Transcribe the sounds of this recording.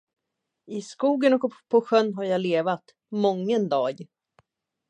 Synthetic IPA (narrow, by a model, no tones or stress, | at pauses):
ɪskuːɡənɔkpʰːɔɧœnːɦaɾjɑːleːvat̪ | mɔŋːənd̪ɑːɡ